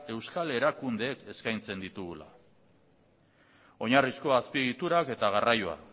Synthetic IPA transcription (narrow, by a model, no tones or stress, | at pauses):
e̞wskale̞ɾakund̪e̞ːke̞skajnt͡se̞nd̪it̪uɣula̰ | o̞ɲarisko̞aspieɣit̪uɾake̞t̪aɣ̞arajoa̰